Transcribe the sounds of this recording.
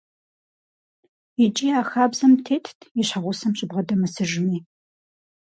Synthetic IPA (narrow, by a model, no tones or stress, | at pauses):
id͡ʒʼiːaːxaːbzɐmtʰeːtʰiɕħɐʁʷʊsɐmɕʼɪbʁɐdɐmɨsɨʒɪmiː